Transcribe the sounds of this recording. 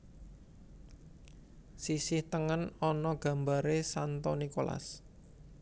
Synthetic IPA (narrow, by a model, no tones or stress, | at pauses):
sisɪht̪əŋənɔnɔɡ̥a̤mba̤ɾesant̪ɔnikola̰s